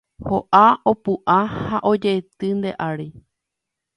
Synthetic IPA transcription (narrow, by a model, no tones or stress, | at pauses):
hoʔaopuʔahaʔo̞d͡ʒet̪ɨnd̪e̞ʔaɾi